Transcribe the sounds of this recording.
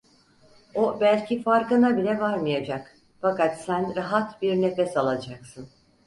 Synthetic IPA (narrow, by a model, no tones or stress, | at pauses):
obælʲcifaɾkɯnabilʲɛvaɾmɯjad͡ʒak | fakat̪sænɾaɦat̪biɾnefɛsalˠad͡ʒaksɯn